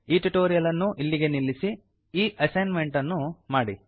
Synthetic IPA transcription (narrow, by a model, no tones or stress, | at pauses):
iːʈuʈoːɾijɐlɐnːuʔilːiɡe̞nilːisi | iːʔɐsɐjnme̞ɳʈɐnːumaːɽi